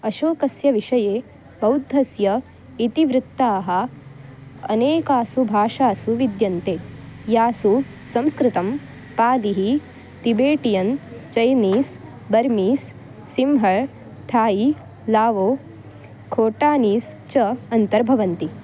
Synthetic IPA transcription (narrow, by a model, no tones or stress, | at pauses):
ɐʃoːkɐsjɐʋiʂɐjeː | bɐwd̪ʱːɐsjɐ | it̪iʋɾɪt̪ːaːɦɐ | ɐ̰neːkaːsubʱaːʂaːsuʋid̪jɐnt̪eːjaːsu | sɐ̃mskɾɪt̪ɐm | paːliɦi | t̪ibeːʈijɐnt͡ʃɐjniːs | bɐɾmiːsː | imɦɐɭ | t̪ʰaːji | laːʋoː | kʰoːʈaːniːst͡ʃɐɐnt̪ɐɾbʱɐʋɐnt̪i